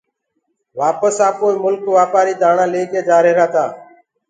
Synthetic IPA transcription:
ʋaːpəsaːpoːiːmʊlkʋaːpaːɾiːd̪ʱaːɳãːleːkeːd͡ʒaːɾeːɾaːt̪aː

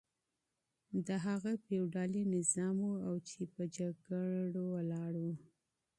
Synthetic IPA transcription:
d̪əɦaɣapewɖɑlinɪzɑmwuawt͡ʃepəd͡ʒaɡəɽowalɑɽu

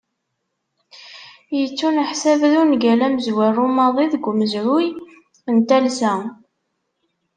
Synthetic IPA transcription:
jət͡sːunəħsævðunɡælæməzwærumɑðˤiðəɡʷːməzɾʊj | ənt̪ælsæ

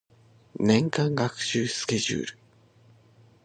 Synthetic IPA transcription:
nẽ̞ŋkãŋɡakɯ̟̥ɕɨːsɨ̥ke̞ʑɨ̰ːɾɯ̟

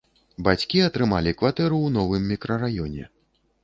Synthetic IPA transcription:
bat͡sʲkʲiɐt̪ɾɨmalʲikvat̪ɛɾuwnɔvɨmːʲikɾɐrajɔnʲɛ̰

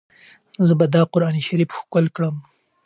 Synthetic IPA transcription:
zəbad̪ɑqʊɾɑniʃaɾifxkəlkɽəm

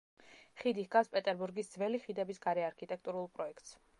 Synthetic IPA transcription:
χid̪ihɡafspʼɛt̪ʼɛɾbuɾɡisd̪zvɛliχid̪ɛbisɡaɾɛaɾkʰit̪ʼɛk̚ʰt̪ʼuɾulˠpʼɾɔɛkʰt̪ʼs

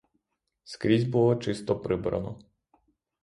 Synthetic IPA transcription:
skɾʲizʲbulˠɔt͡ʃɪst̪ɔpɾɪbɾɐ̰nɔ̰

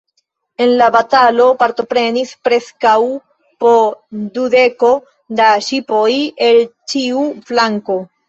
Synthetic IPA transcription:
e̞nlabatalo̞paɾto̞pɾe̞nispɾe̞skaw | po̞dude̞ko̞ | daʃipo̞je̞lt͡ʃiuflaŋko̞

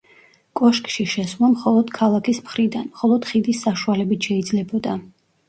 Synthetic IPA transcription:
kʼɔʃkʼʃiʃɛslˠamχɔlˠɔd̪̥kʰalˠakʰismχɾid̪anmχɔlˠɔd̪̥χid̪isːaʃualɛbit̪ʰʃɛid̪zlɛbɔd̪a

